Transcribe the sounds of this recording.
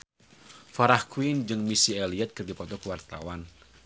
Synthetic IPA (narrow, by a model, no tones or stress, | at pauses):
faɾahkʰuind͡ʒɨŋmisiɛliɛt̪̚kɨrdipɔt̪ɔkəwart̪a̰wan